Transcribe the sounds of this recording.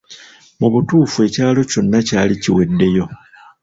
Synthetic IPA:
muβutuːfue̞ːcaːlo̞co̞nːacaːliciwe̞dːe̞jo̞

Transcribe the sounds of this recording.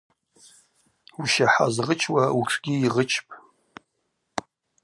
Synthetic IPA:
uʃaħa̰zʁət͡ʃʰwauʈ͡ʂʰɡʲiiʁət͡ʃʰpʼ

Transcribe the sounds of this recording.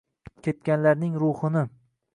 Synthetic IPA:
kʲʰe̞t̪̚kʲanlaɾnɪŋɾʊhɨnɪ

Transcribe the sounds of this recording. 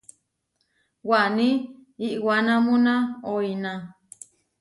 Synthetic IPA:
wanĩiʔwanãmũnãoinã

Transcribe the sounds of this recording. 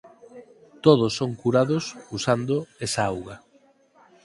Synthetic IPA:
t̪oð̞osːoŋkuɾaðʊsusand̪oesaawɣɐ

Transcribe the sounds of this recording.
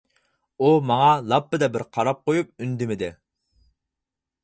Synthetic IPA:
umɑŋɑlˠɑpːɨd̪ɛbɪɾqʰɑɾɑp̚qojup̚ynd̪ɪmɪd̪ɪ

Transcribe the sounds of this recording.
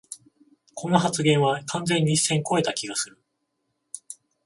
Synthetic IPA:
kʰo̞no̞ɦat͡sɨɡẽ̞ɰ̃βakʰãnd͡zẽ̞ɲ̟ːisːẽ̞ŋko̞e̞t̪akʲiɡasɨɾɯ̟

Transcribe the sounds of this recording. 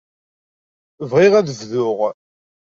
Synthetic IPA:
vʁiʁæðəvðʊʁ

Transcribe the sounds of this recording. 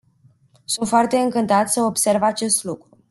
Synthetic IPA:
sunt̪foart̪e̞ɨŋkɨnt̪at̪sʲəobse̞rvat͡ʃe̞st̪lukɾu

